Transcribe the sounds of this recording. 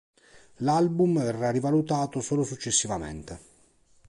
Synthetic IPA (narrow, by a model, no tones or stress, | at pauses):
lalbumvɛrːarivalut̪aːt̪osoːlosut͡ʃːesːivamḛnt̪e